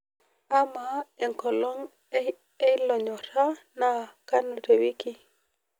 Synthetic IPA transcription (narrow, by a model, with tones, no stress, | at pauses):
a˦ma˨ɛ˨ŋkɔ˨lɔ˦ŋ | ɛ˦lɔ˨ɲɔ˨ɾa˦na˨ka˦nu˨ɾe˨wi˦ki˦